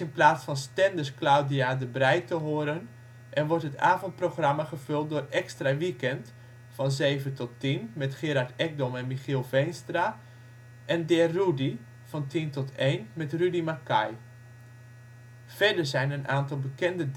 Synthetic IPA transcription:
ɪnplaːsfɑnstɛndəɹsklawdiadəbrɛjtəɦoːɾən | ʔɛnʋɔɹtɦətaːvɔnt̚prowχramaχəvɵlˠt̚dʊːrɛkstraʋikɛnt | fɑnzejvətɔtːinmɛtχɪɾaɹtɛɡ̚dɔmɛnmiχilˠvejnstra | ʔɛndɛrudi | v̥ɑntintɔtʰejnmɛtrydimakaj | v̥ɛɹdəɹzɛjnənʔaːntɑlˠbəkɛndə

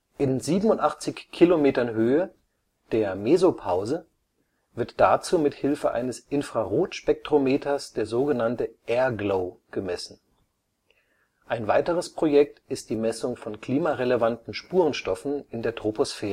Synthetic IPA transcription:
ʔɪnziːbm̩ʊntʔaχt͡sɪçkʰilomeːtɐnɦøːə | d̥eːɐmeːzopʰaʊzə | vɪɐtd̥at͡suːmɪthɪlfəʔa̰ɪnəsʔɪnfʁ̥aʁoːtʃpɛk̚tʁ̥omeːtʰɐsd̥eːɐzoːɡənantəʔɛːɐɡloʊɡ̥əmɛsn̩ | ʔaɪnvaɪtəʁ̞əspʁ̥ojɛk̚tɪst̚d̥iːmɛsʊŋfɔnkl̥iːmaʁeləvantn̩ʃpuːʁənʃtɔfn̩ɪndeːɐtʁ̥oposfɛːʁə

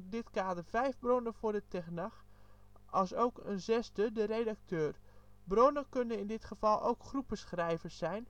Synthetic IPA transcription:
dɪtkaːdərvɛjvbronəvʊːɹdətɛxnax | ɑlˠsowkənzɛstədərejdak̚tʰøːrbronəkønənɪndɪtχəvɑlˠo̰wkχrupəsχrɛjvəsɛjn

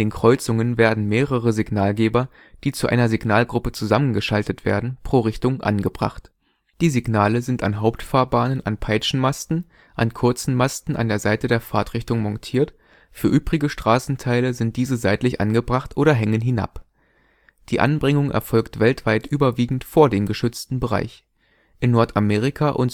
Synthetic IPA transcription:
deːnkʁ̥ɔʏt͡sʊŋənveːɐdn̩meːʁəʁəzɪɡnaːlɡeːbɐ | d̥iːt͡suʔa̰ɪnɐziɡnaːlɡʁʊpət͡suzamənɡəʃaltətv̥ḛːɐdn̩pʁ̥oːʁɪçtʊŋʔa̰nɡəbʁa̰χt | d̥iːziɡnaːləzɪnta̰nɦaʊptfaːɐbaːnənʔa̰npʰaɪt͡ʃn̩mastn̩ | ʔankʰʊɐt͡sn̩mastn̩a̰ndeːɐzaɪtədeːɐfaɐtʁ̥ɪçtʊŋmɔntʰiːɐt | fyːɐʔyːbʁɪɡəʃtʁ̥aːsn̩tʰaɪləzɪnt̚d̥iːzəzaɪtlɪçʔa̰nɡəbʁaχtʔoːɾɐɦɛŋənɦɪna̰p | d̥iːʔa̰nbʁɪŋʊŋʔɛ̰ɐfɔlktv̥ɛltv̥aɪtʔyːbɐviːɡŋ̩tfoːɐdeːmɡəʃʏt͡stn̩bəʁa̰ɪç | ʔɪnːɔɐtameːʁɪkʰaʔʊnt

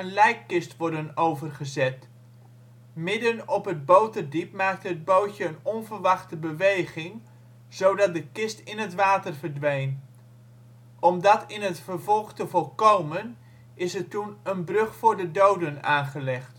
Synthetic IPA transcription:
ənlɛjkːɪstʋɔrdənowvərχəzɛt | mɪdənɔpɦəd̚bowtərdipmaːk̚təɦəd̚bowtjəːnɔnvəɹʋɑχtəbəʋejχɪŋ | z̥owdɑt̚dəkɪstɪnɦətʋaːtərvərdʋejn | ʔɔmdɑtɪnɦətfərvɔlˠχtəvɔlˠkowmən | ɪsətunənbrɵχfʊːɹdədowdəna̰ːnχəlɛχt

